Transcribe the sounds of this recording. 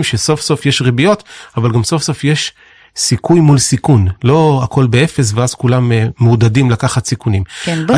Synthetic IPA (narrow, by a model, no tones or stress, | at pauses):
mʃeso̞fso̞fjeʃʁibijo̞t̪avalɡamso̞fso̞fjeʃ | sikujmulsikunlo̞akʰo̞lbee̞fe̞s̬veaz̥kulamːdadimlakaχatsikunim